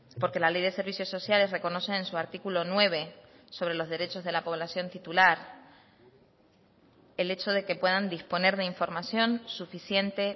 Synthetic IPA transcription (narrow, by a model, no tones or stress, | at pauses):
po̞ɾke̞lale̞jðe̞se̞ɾβisjo̞sːo̞sjale̞sre̞ko̞no̞seːnsuaɾt̪ikulo̞nwe̞β̞e̞ | so̞β̞ɾe̞lo̞zðe̞ɾe̞t͡ʃo̞zð̞e̞lapo̞β̞lasjo̞nt̪it̪ulaɾ | ele̞t͡ʃo̞ðe̞ke̞pwe̞ðand̪ispo̞ne̞ɾðe̞iɱfo̞ɾmasjo̞nsufisje̞nt̪e̞